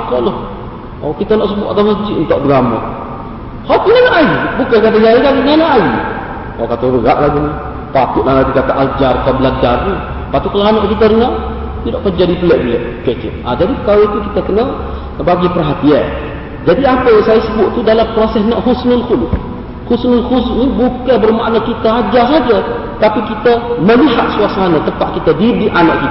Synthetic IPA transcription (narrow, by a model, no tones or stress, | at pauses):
akolʊh | okit̪ənɔʔs̬əbʊʔat̪aməsd͡ʒiʔunt̪oʔdɡama̰ | hokinanaʔajibukəkat̪əjajikaɡinanaʔaji | o̰kat̪əɾəɡaʔlaɡinə | t̪ak̪ʊʔlahlaɡikat̪aʔald͡ʒarkabəlad͡ʒarnu | paʔt̪ukəlanɔʔkit̪əɾəna | t̪idaʔkərd͡ʒadipəlɛʔbiəkət͡ʃə̰ʔʔa̰d͡ʒadikalait̪ukit̪əkənə | baɡipərɦat̪ia | d͡ʒadiapəjaŋsajəsəbʊʔ̪̚t̪udalampɾosɛsnaʔhusnəlkulʊ | husnəlhusnibukabərmaʔnakit̪aad͡ʒasad͡ʒə | t̪apikit̪əməliɦat̪̚suasanat̪əpaʔkit̪ədidiʔanaʔkit̪